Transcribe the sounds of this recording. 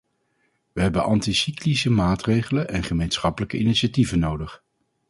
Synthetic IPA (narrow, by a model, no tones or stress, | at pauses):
ʋəɦɛbənʔɑntisiklisəmaːtrejχələnʔɛnχəmejnsχɑpələkəiniʃativənowdəχ